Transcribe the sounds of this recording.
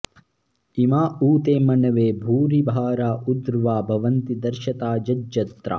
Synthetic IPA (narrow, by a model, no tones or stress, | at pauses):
imaːuːt̪eːmɐnɐʋeːbʱuːɾibʱaːɾaːʔud̪ɾʋaːbʱɐʋɐnt̪id̪ɐɾʃɐt̪aːd͡ʒɐd͡ʒːɐt̪ɾa̰ː